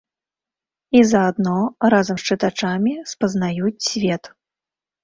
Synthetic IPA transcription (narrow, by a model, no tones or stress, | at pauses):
izɐːd̪nɔrazɐmst͡ʂɨt̪at͡ʂamʲispɐznajut͡sʲsʲvʲɛt̪